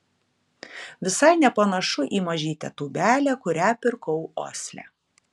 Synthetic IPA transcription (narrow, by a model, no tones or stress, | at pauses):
ʋʲɪsɐɪnʲɛpɐnɐʃʊʔiːmɐʒʲiːt̪ʲɛ̰t̪uːbʲæːlʲækʊɾʲæːpʲɪɾkɔʊo̰ːsʲlʲæ̰ː